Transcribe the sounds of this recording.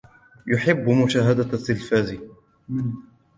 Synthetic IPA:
jʊħɪbːmʊʃaːɦad̪at̪ːɪlfaːzi

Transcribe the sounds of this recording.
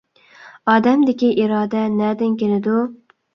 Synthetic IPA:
ɑːd̪ɛmd̪ɪkʲiʔiɾɑːd̪ɛnɛd̪ɪnkʲʰelɪd̪u

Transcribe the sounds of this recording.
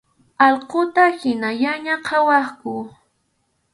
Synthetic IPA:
ɑlqot̪ahɪnaʎaɲaqʰɑwɑχkʊ

